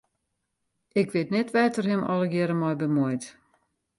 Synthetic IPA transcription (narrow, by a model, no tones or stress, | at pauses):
ɪkʋɪtnɛtʋɛːtərhɪmɔ̰lˠəɡjɪɾəmɔjbəmɔjt